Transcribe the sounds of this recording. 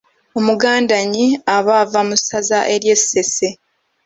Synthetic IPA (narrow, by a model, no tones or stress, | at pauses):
o̞muɡaːndaɲiaβaːvamusazaʔe̞ɾje̞sːe̞se